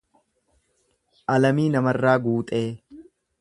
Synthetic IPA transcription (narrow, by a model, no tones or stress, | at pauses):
ʔɐlɐmiːnɐmɐrːaːɡuːt̪ʼe̞ː